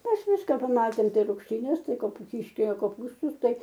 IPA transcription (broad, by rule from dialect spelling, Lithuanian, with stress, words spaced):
ˈmʲɛs ˈʋʲɪskɐ pɐˈmɑːtʲeːm ˈtɐɪ rʊkʃʲˈtʲiːnʲɛs ˈtɐɪ ˈkoːpʊ ˈkʲɪʃʲkʲɛlʲoː koːˈpuːstʊs ˈtɐɪ